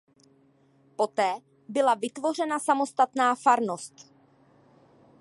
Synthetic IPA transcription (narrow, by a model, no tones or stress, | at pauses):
po̞t̪ɛː | bɪlavɪt̪vo̞r̝ɛnasamo̞st̪at̪naːfaɾno̞st̪